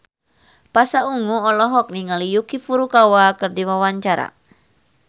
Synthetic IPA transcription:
pasauŋuɔlɔɦɔk̚niŋalijukifuɾukawakɨrdiwawaɲt͡ʃaɾa̰

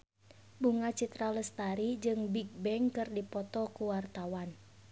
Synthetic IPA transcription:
buŋat͡ʃit̪ɾaləst̪aɾid͡ʒɨŋbiɡ̚bɛŋkɨrdipɔt̪ɔkuwart̪awan

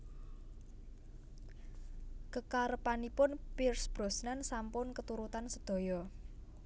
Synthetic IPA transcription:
kəkaɾəpanipʊnpirsb̥ɾo̤snansampʊnkət̪uɾut̪ansəd̪̥ɔ̤jɔ

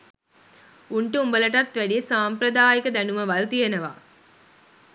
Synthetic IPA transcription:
uɳʈəumbəlɐʈɐt̪ʋæɖijesaːmpɾɐd̪aːjikəd̪ænuməʋɐlt̪ijɐnɐʋa̰ː

